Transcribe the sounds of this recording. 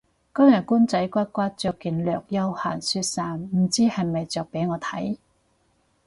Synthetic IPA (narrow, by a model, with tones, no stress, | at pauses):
kɔ˥ŋjɐ˨t̚kuː˥nt͡sɐ˨˥jkʷaː˥t̚kʷaː˥t̚t͡ʃœː˨kːiː˨nlœː˨k̚jɐ˥whaː˨˩nsyː˧t̚saː˨nm̩˨˩t͡siː˥hɐ˨jmɐ˨jt͡sœː˨k̚pe˨˥jŋɔː˨˧t̪ʰɐ̰˨˥j